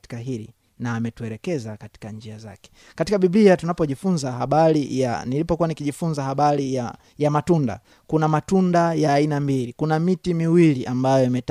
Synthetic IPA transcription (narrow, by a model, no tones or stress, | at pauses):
kaɦilḭ | naːmɛtuɛlɛkɛzakati̥kand͡ʒiaza̰kɛ̥ | katikaɓibliatunapɔʄifunzaɦaɓaɾija̰nilipɔkuwanikiʄifunzahaɓaɾija | jamatunda̰ | kunamatundajaːinambilikunamitimiwiliʔambajɔimɛt